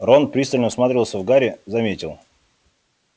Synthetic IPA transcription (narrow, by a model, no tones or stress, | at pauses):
ronpɾʲist̪əlʲnəsmat̪ɾʲɪvəlˠsʲəvɡaɾʲɪzɐmʲetʲɪlˠ